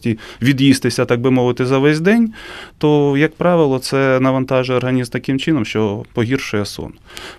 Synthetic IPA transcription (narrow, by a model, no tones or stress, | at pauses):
tʲiʋʲid̪jist̪ɪsʲɐt̪ɑɡ̚bɪmɔʋɪt̪ɪzɐʋɛzʲd̪ɛnʲt̪ɔjɐk̚pɾɑʋɪlˠɔt̪sɛnɐʋɐnt̪ɑʒɛɔrɦɐnʲizmt̪ɐkɪmt͡ʃɪnɔmʃt͡ʃɔpɔɦʲirʃʊjɛsɔ̰n